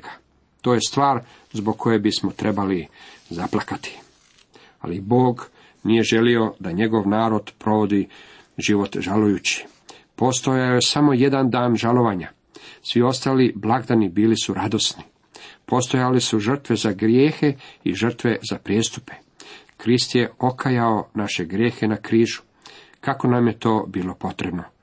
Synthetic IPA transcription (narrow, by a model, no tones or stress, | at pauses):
kʰḁ | t̪o̞ːje̞st̪ʋaːɾ | zboɡ̚kʰo̞jebismo̞t̪ɾʔe̞balizaplˠakat̪i̥ | a̰libo̞ːɡ | nije̞ʒe̞lio̞d̪aɲe̞ɡo̞ʋnaːɾo̞d̪pɾo̞ʋo̞d̪i | ʒiʋo̞t̪ʒalujut͡ɕi̥ | po̞st̪o̞jajojesamo̞je̞d̪and̪aːnʒalˠo̞ʋaɲa | sʋio̞st̪aːliblˠaɡd̪anibiːlisuɾad̪o̞sni | po̞st̪o̞jalesuʒər̩t̪ʋe̞zaɡɾjeːxe̞iʒər̩t̪ʋe̞zapɾjeːst̪u̥pe̞̥ | kɾist̪je̞o̞kʰajao̞naʃe̞ɡɾje̞ːxe̞nakɾiːʒu̥ | kako̞namje̞t̪o̞ːbiːlo̞po̞t̪ɾe̞bno̞